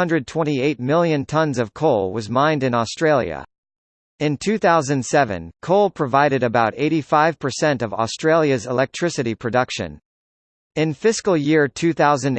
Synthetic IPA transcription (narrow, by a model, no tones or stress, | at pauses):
ʌ̃ndɹɨd̚tʰw̥ɛ̃ɾ̃ieɪt̚mɪlˠjɨ̃ntʰʌ̃nzʌv̥kʰoʊlˠwʌzmãɪ̃ndɨ̃nɔstɹ̥eɪlˠjɨ̰ | ɨ̃ntʰʉθaʊzɨ̃nd̥sɛvɨ̰̃nkʰoʊlˠpʰɹ̥ɨvaɪɾɨɾɨbaʊɾeɪɾifaɪv̥pʰə˞sɛ̃ntʌvɔ̰stɹ̥eɪlˠjɨzəlɛk̚tʰɹ̥ɪsɨɾipʰɹ̥ɨdʌkʃɨ̰̃n | ɨ̃nfɪskl̩ˠjɪɹtʰʉθaʊzɨ̃n